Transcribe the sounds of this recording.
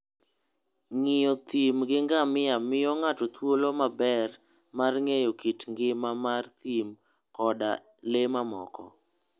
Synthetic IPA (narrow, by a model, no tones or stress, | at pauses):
ŋɪjɔt̪imɡɪŋɡamɪjamɪjɔŋat͡ʃɔt̪wolomabɛr | marŋejokitŋɡɪmamart̪im | kɔda̰ | lemamɔ̰kɔ̰